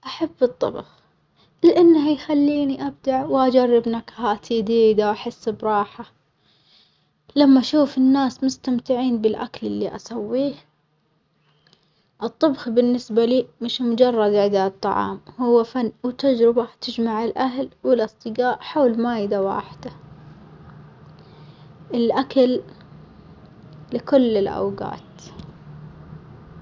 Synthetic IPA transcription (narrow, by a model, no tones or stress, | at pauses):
ʔaħabːɨt̪ˤːɑ̰bx | lɪʔanːhajxalːiːniʔab̚d̪aʕwʔad͡ʒarˤːɪbnakhaːt̪ʰid̪iːd̪awʔaħɪsːbɾˤɑːħa | lamːaʔaʃuːfɪnːaːsmʊst̪amt̪ɪʕiːnbɪlʔa̰klɪlːḭʔa̰sawːiːh | ʔɨt̪ˤːɑbxbɪnːɪsbaliːmɪʃmʊd͡ʒɑrˤːɑd̪ʕɪd̪at̪ˤːɑʕɑ̰ːmhʊwːafanːwɪt̪ad͡ʒɾɪbat̪ɪd͡ʒmaʕɪlʔaɦlwɪlʔɨsˤt̪ˤɨɡaːʔħawlmaːjɪd̪awa̰ːħɪd̪̥a | ʔɪlʔakal | ɪkʊlːɪlʔa̰wɡa̰ːt̪